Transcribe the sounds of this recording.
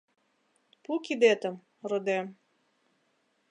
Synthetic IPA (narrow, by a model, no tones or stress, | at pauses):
pukʲid̪ɛt̪ɐm | rod̪ɛm